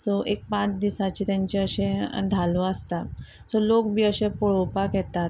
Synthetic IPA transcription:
sɔʔek̚pãt͡sd̪isat͡ɕit̪aɲt͡ɕeəɕẽd̪ʱaloəst̪a | sɔlokbiːəɕẽpoɭopakɛt̪at̪

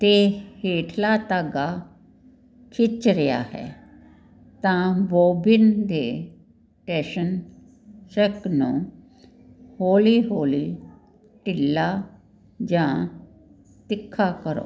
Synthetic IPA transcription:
t̪eːheːʈʰlaːt̪aɡaː | kʰɪt͡ʃɾɪja̰ːhɛ̰ː | t̪ãːboːbɪnd̪eː | ʈɛːʃən | səknũː | hoːliːɦoːli | ʈɪlːaː | d͡ʒãː | t̪ɪkʰːaːkəɾo̰ː

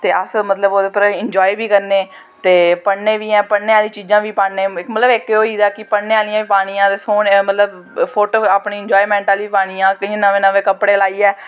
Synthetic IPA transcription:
t̪eːʔəsmət̪ləboːd̪eːpəɾɪɲd͡ʒɔːibiːkəɾneː | t̪eːpəɽneːʋiːɛ̃ːpəneːaːlĩːt͡ʃiːd͡ʒãːʋiːpaːɽneːmət̪ləbɪkeoːiːd̪aːkɪpəɽnẽːaːlijãːʋiːpaːɽ̃ijãːt̪eːsoːnmət̪ləb | pʰoːʈoːaːpɳiːɲd͡ʒɔːiːmɛ̃ːɳʈaːliːpaːɽ̃iːãːkɪĩːnəʋẽːnəʋẽːkəpːɽeːlaːiːɛː

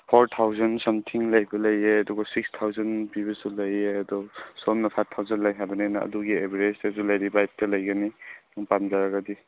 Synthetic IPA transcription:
pʰoɾtʰawzɐnsɐmtʰiŋlɐjbɐlɐjeɐduɡasik̚stʰawzɐnpibɐsulɐjeɐdɔsɔmnɐpʰatʰːawzanlajɦabɐnenaɐ̰duɡiebiɾesesulajɾibajt̚tɐlɐjɡaninɔŋpamzaɾaɡadi

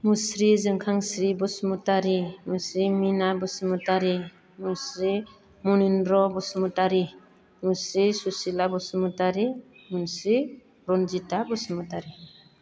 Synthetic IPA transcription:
musɾizɯŋkʰaŋsɾibɔsmutaɾimusɾiminabɯsmutaɾi | musɾi | muninɾɔbɔsumutaɾi | musɾisusilabɔsumutaɾi | munsɾi | ɾɔnzitabɔsmutaɾi

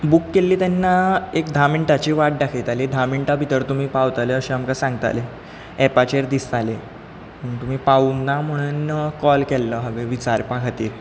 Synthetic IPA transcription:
bukːelːiːt̪ɛnːaekd̪ʱamiɳʈat͡ɕiːʋaʈ̚ɖakʰit̪aled̪ʱamiɳʈabʱit̪əɾt̪um̤iːpawt̪aleəɕẽamkasãŋɡt̪a̰le | ɛpat͡ɕeɾd̪ist̪ale | məɡt̪um̤iːpaunːam̤əɽ̃unːəkɔlkɛlːəɦəʋeʋit͡ɕaɾpãkʰat̪iːɾ

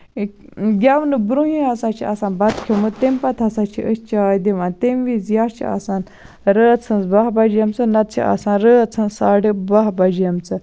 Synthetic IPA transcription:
ɡʲaʋnɨbɾuɦĩɦɐsãːt͡ʃʰiʔa̰saːnbɐt̪kʰomɨt̪empɐt̪ʰɐsãːt͡ʃʰḭʔəst͡ʃʰaːd̪iʋaːnt̪emʋizjaːɾt͡ʃʰḭa̰ːsaːn | ɾəɐt͡sʰɨnzbaɦbɐd͡ʒjɐmt͡sɨnɐt̪̚t͡ʃʰḭʔa̰ːsãːnɾəɐt͡sʰɨnsaːɖibaɦbɐd͡ʒjɐmt͡sɨ

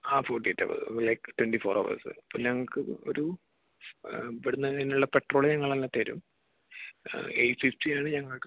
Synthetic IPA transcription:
aːfoːʈːietːɐ̰ʋɐ̰ðɨ̰lɐjkɨ̥twenɖifoːro̰ːʋɐ̰sɨɐpːoːlɲɐŋːɐɭkɨo̞̰ɾu | ʋiɽunːɐinːuɭːɐpe̞ʈroːɭeɲɐŋːɐɭɐlːaːt̪ːeɐɾṵm | ejfiftijaːɳɨɲɐŋːɐɭk

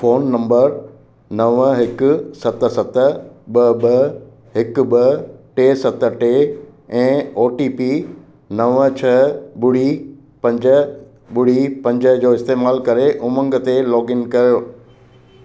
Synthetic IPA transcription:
foːnːɐ̃mbəɾ | nɐʋɦɪkʊ̆sɐt̪sɐt̪əɓɐɓɐ | ɦɪkɓɐʈeːsɐt̪ʈe | ɛ̃ːoːʈiːpi | nɐʋt͡ɕʰɐɓʊɽ̤i | pɐ̃ɲd͡ʑə | ɓʊɽ̤ipɐ̃ɲd͡ʑəd͡ʑoːɪst̪eːmaːlkɐɾeʔʊmə̃ŋɡət̪elɔːɡɪnkɐɾijoː

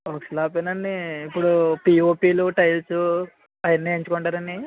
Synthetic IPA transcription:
okslaːpenɐnːiːpːuɽupiːoːpiːluʈɐjlsu | ɐjɐnːieɲt͡ʃukɔɳʈaːɾɐnːi

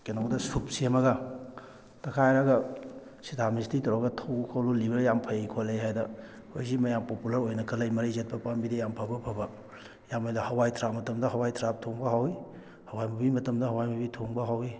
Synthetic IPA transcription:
kenoɡdɐsup̚siɐmɐɡɐ | tɐkʰajɾɐɡɐ | sitʰamistitɐwɾaɡɐtʰɐwkʰawlulibɐɾjampʰɐjkʰolajɦajdɐ | hojzimɐjampopulɐɾojnɐkʰɐlɐjmɐɾizet̚pɐpambidejampʰabɐpʰabɐ | jamajdɐhɐwajtʰɾap̚mɐtɐmdɐɦɐwajtʰɾap̚tʰoŋbɐɦawi | hɐwajmɐbimɐtɐmdɐɦɐwajmɐbitʰoŋbɐɦawi

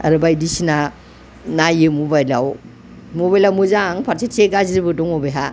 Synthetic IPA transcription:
a̰ɾɯbajdisina | najɯmɔbajla̰w | moβajlawmɯzaŋpʰaɾsetseɡaziɾibɯdɔŋɔbeɦa

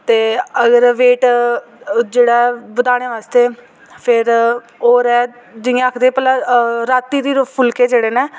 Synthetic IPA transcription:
t̪eːəɡəɾʋeːʈ | d͡ʒeːɽaːbəd̪aːɽ̃eːʋaːst̪eː | pʰɪɾ | oːɾɛː | d͡ʒɪãakʰd̪eːpɛlaːɾaːt̪ːiːd̪iːɾʊpʰʊlkeːd͡ʒeːɽeːneː

